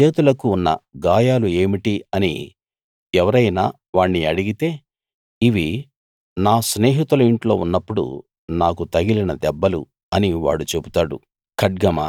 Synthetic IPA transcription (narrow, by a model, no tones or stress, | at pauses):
t͡ʃe̞ːt̪ulɐkuːnːɐ̰ɡaːjaːlue̞ːmiʈiɐnḭ | ɛʋɐɾɐjnaː | ʋaːɳːiɐɽiɡit̪e̞ː | iʋi | naːsne̞ːɦit̪ulɐiɳʈlo̞ːunːɐpːuɽṵ | naːkut̪ɐɡilinɐd̪ɛbːɐlṵ | ɐniʋa̰ːɽut͡ʃe̞but̪aːɽṵ | kʰɐʈ̚ɡɐma̰